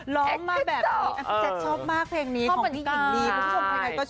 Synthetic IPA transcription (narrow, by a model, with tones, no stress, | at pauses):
lɔː˦˥˩mːaː˥˩k̚bɛː˨˩˧iː˦˧˦ʔa˧e˨˩t͡ɕʰɔː˥˩p̚maː˥˩k̚pʰɛː˧ŋniː˦˥kʰːi˦˥˨niː˦˥kːʰo˧kʰa˧ka˧˩kɔː˥˩